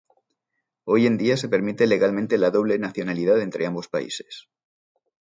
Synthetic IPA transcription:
o̞je̞nd̪iase̞pe̞ɾmit̪e̞le̞ɣalmẽnt̪e̞laðo̞β̞le̞naθjo̞nalið̞aðe̞nt̪ɾe̞ambo̞spa̰ḭse̞̥s

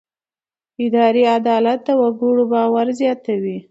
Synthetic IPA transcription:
ɪd̪ɑɾiad̪ɑlat̪̚ːawaɡuɽobɑwaɾzjɑt̪awi

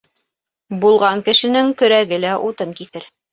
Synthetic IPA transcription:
bulˠʁɑŋkɘ̆ʃɘ̆nɘŋkɵ̆ɾæɡɘlæʔut̪ɤŋkiθɘɾ

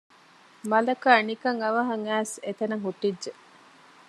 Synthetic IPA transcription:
mɐlɐkanikɐŋɐʋɐɦɐŋæːset̪ɐnɐŋɦuʈːidʒe

